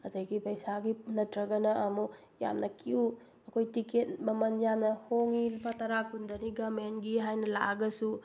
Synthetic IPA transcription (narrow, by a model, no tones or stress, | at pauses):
ɐdɐjɡipɐjsaɡinɐtɾɐɡɐnɐːmu | ja̰mnɐkiu | ɐkʰojtiket̚mɐmɐnjamnɐhoŋilpʰɐtɐɾakundɐniɡɐmentɡiɦajnɐla̰ɡɐsu